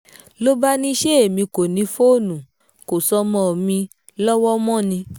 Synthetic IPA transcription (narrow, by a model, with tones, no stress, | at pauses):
lo˦ba˦nĩ˦ʃe˦e˦˨mĩ˧ko˨nĩ˨˧fo˦˨nũ˨ | ko˨sɔ˧mɔ̃˦˨mĩ˧ | lɔ˦wɔ˦mɔ̃˦˨nĩ˧